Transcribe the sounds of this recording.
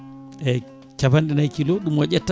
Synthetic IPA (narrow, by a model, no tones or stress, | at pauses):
ɛ | t͡ʃaβandɛnajkilɔɗumwaʄɛtːa